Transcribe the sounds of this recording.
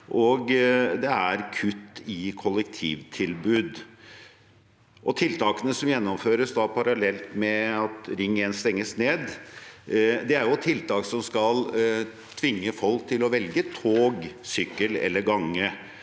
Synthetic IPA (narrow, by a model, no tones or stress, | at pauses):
ʔɔɡd̪ɛæɾkʰʉt̪ːɪkʰɔlɛkt̪ʰiːʋt̪ʰɪlbʉːd̪ | ʔɔt̪ʰɪlt̪ʰɑːkənəsɔmjɛnːɔmføːɾəsd̪ɑpʰɑɾɑlɛlt̪mɛɑt̪ɾɪŋːɛnst̪ɛŋːəsneːd̪ | d̪ɛæɾjʊt̪ʰɪlt̪ʰɑːksɔmskɑl | t̪ʰʋɪŋːəfɔlk̚t̪ʰɪlɔʋɛlɡət̪ʰoːɡsʏkːəlɛ̰lːəɾɡɑŋːə